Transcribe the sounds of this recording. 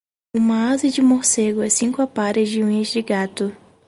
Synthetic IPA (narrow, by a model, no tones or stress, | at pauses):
ũmɐazɐd͡ʒɪmoɾseɡʊɛsĩŋkʊapaɾɪzd͡ʒɪũɲɐzd͡ʒɪɡat̪ʊ